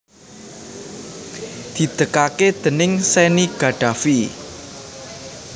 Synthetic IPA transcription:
d̪̥i̤d̪̥əkaked̪̥ə̤nɪŋseniɡ̥a̤ɖ̥ä̤fi

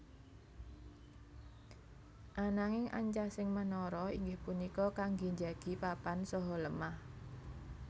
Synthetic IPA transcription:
ʔanaŋɪŋʔa̰ɲt͡ʃasɪŋmənɔɾɔiŋɡɪhpunikɔkaŋɡi̤ɲd͡ʒaɡ̥i̤papansɔɦɔləmah

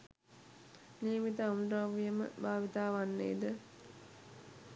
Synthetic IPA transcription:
niːmit̪əunaʋijəmə̰baːʋit̪aːʋanːḛːd̪ə

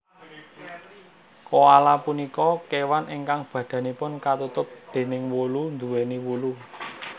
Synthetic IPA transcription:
koalapunikɔkewanʔiŋkaŋb̥ä̤ɖ̪̥ä̤nipʊnkat̪ut̪ʊp̚d̪̥e̤nɪŋwolund̪uweniwulu

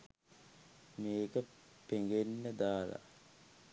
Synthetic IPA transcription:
meːkəpeŋɡenːəd̪aːla̰

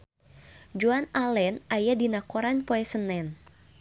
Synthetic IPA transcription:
d͡ʒuanalɛnajadinakɔɾanpoɛsənɛn

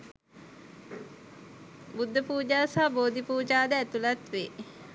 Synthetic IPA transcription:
bud̪ʱːəpuːd͡ʒaːsaːboːd̪ipuːd͡ʒaːd̪əæt̪ulat̪ʋe

